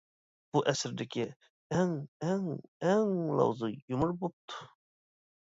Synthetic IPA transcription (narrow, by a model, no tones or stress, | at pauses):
b̥uʔɛsɾd̪ɪkʲʰɪ | ɛŋɛŋɛŋlˠɑ̰wzɨjumʊɾbop̚t̪ʰu̥